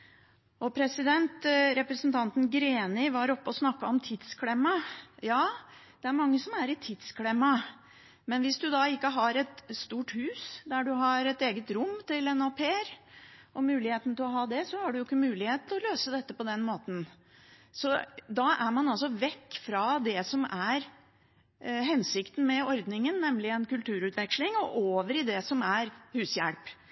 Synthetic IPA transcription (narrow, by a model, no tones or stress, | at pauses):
ɔpʰɾɛsɪd̪ɛnt̪ɾɛpɾɛsnt̪ʰɑnt̪n̩ɡɾeːnɪʋɑɾɔpːəɔsnɑkːɑɔmt̪ʰɪd̪skʰlɛmːɑjɑːd̪̥ɛæɾmɑŋːəsɔmæɾɪt̪ʰɪd̪skʰlɛmːɑ | mɛnʋɪsd̪ʉd̪ɑɪkːəɦɑɾɛt̪st̪uːʈhʉːsd̪æɖʉɦɑɾɛt̪eːɡət̪ɾʊmːt̪ɪlɛnɔpʰeːɾʔɔmʉːlɪheːt̪n̩t̪ʰɪlɔɦɑːd̪ɛsɔhɑɖʉjʊɪkːəmʉːlɪheːt̪t̪ʰɪlɔløːsəd̪ɛt̪ːəpɔd̪ɛnmoːt̪n̩ | sɔd̪ɑʔæɾmɑnɑls̬ɔʋɛkːfɾɑd̪ɛsɔmæɾ | ɦɛnsɪkt̪n̩mɛɔɾd̪nɪŋənːɛmlɪɛnkʉlt̪ʰʉːɾʉːt̪ʰʋɛkʂlɪŋɔʔoːʋəɾɪd̪ɛsɔmæɾhʉːsjæ̰lp